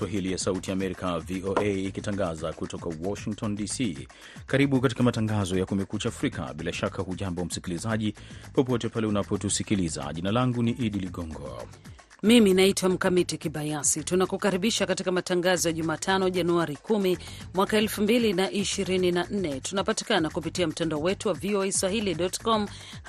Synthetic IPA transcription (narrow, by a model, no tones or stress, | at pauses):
swaɦilijasautiaːmɛɾikaviʔoʔeːkitaŋɡazakutɔkawɔʃiŋk̚tɔndisi | kaɾiɓukat̬i̥kamataŋɡazɔjakumɛkut͡ʃaːfɾika̰ɓilaʃakʰahuʄambɔwm̩sikilizaʄipɔpɔtɛpalɛunapɔtusikiliza̰ʄinalaŋɡuniʔiɗiliɠɔŋɡɔ̰ | miminaitwam̩kamitikiɓajasitunakukaɾiɓiʃakatikamataŋɡazɔjaʄumaːtʰanɔʄanuaɾikumi | mwakaɛlfumbilinaʔiʃiɾininan̩nɛtunapati̥kanakupitiam̩tandaɔwɛtuwavioeswahiliɗɔtkɔm